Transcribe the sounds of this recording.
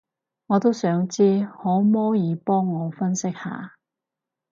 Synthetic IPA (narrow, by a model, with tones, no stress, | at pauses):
ŋɔː˨˧t̪o˥wsœː˨˥ŋt͡siː˥hɔː˨˥mɔː˥jiː˨˧pɔː˥ŋːɔː˨˧fɐ˥nsɪ˥k̚ha̰ː˨